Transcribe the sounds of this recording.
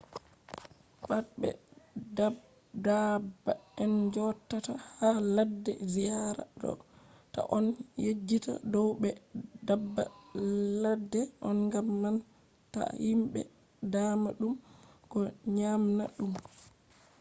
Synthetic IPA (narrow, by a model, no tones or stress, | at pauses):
ɓatbɛ̰dab | dabːaɛnd͡ʒɔtːatahaladːɛ̰zijaɾa̰dɔ̰ | ta̰ʔɔnjed͡ʒːita̰dɔwɓɛdabːa̰ladːɛʔɔnŋɡamːan | ta̰himɓɛ̰ | damaɗumkɔɲamna̰ɗum